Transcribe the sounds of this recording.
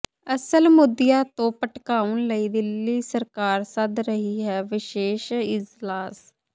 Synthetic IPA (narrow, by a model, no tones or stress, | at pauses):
əsəlmʊd̪ɪjaːt̪õːpəʈkaːənləiːd̪ɪlːiːsəɾkaːɾsəd̪ɾəɦiːɦɛːʋɪʃeːʃɪd͡ʒlaːs